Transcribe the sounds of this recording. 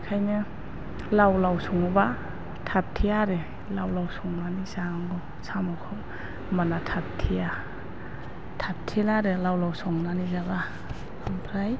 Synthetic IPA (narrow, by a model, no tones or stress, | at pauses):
kʰajnɯ | lawlawsɔŋɔba | tʰap̚tʰiaɾɯ | lawlawsɔŋnanisaŋɡɔ | sʰamɔkʰɯl | manatʰap̚tʰija | tʰap̚tʰilaɾɯlawlawsɔŋnanizaɡa | ampʰɾaj